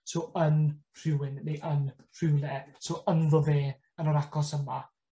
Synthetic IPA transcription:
soːənr̥ɪwɪnːeʔən | r̥ɪwlɛsoːʔənðəðeː | ənəɾakʰɔsəma

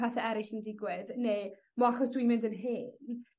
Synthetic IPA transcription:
ɛθɛɛɾɪɬəndɪɡwɪðne | mɔaχɔsd̥wimɪndənɦɪn

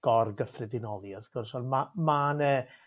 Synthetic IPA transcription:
ɡ̥ɔrɡəfrɪdɪnɔlˠjaθɡ̥ʊrsɔnmamanɛ

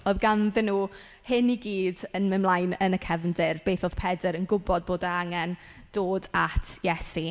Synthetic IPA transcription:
ɔðɡanðɪnuː | hɪniɡiːdənmɪmlˠajnənəkʰɛvndɪrb̥eːθoð̥pʰɛdəɾənɡʊbɔd̚boːdəaŋɛn | d̥oːdatʰjɛsi

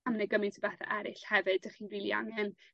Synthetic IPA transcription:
amnəɡəmɨntʰəbɛθa̰ʔɛɾɪɬhɛvɨdəχiːnriːlˠia̰ŋɛn

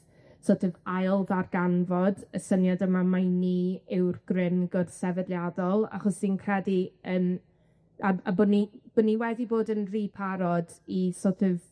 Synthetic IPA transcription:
soːtʰɨvajlˠðarɡ̥anvɔdəsənjadəmamajniɪwrɡ̥rɪnɡɔrsɛvɛdlˠjadɔlˠa̰χɔsd̥inkʰrɛdiəːm | aabʊnib̥ʊniwɛdiboːdənriːpʰaɾɔdisoːtʰɨv

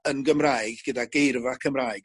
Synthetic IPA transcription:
ənɡəmrajɡɡ̥ədaɡejrvakʰəmrajɡ̥

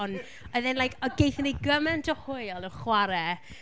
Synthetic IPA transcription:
n | ɔðɛnlajkʰɔɡejθənejɡəmɛntʰɔhʊɨɔlˠənχwaɾɛ

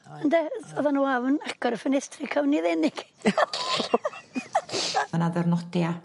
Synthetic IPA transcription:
əndɛɔðanuavnakɔɾfənɛstʰrɪkʰawniðɛnɪɡ̥ | naðɛrnɔdja

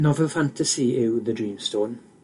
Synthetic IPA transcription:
nɔvɛlˠfãntʰəsiɪwðədɹĩːmstoːn

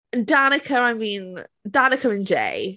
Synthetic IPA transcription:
danəkʰəɹajmĩːndanəkʰəɹɪ̃nd͡ʒḛj

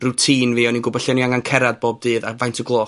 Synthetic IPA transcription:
rutʰiːnviːɔniɡʊbɔɬɛniaŋankʰɛɾad̚boːb̚dɨːðavajntʰəɡlˠɔː

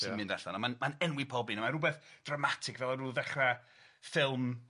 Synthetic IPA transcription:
imɨndaɬanamanmanɛnwɪpʰɔbinamaɾubɛθd̥ramatʰɪkvɛlˠaruːðɛχra | fɪlˠm

